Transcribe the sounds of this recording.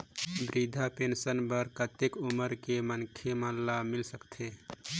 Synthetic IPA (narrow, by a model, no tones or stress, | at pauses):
bɾid̪ʱapeːnsənbəɾkət̪ekʊməɾkemənkʰemallamɪlsəkt̪ʰeː